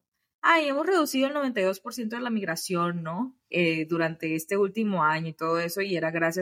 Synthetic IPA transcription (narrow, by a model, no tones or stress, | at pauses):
aje̞mo̞sre̞ðusiðolnoβe̞nt̪ajðo̞spo̞ɾsjent̪̬oðelamiɣɾasjo̞nːo̞ | eðuɾant̪e̞e̞st̪e̞ult̪imo̞aɲo̞it̪o̞ðoe̞so̞ie̞ɾaɣɾasja